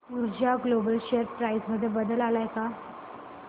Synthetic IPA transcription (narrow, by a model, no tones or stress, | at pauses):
uɾd͡ʑaɡlobəlɕeəɾpɾajsməd̪ʱːjebəd̪əlalajka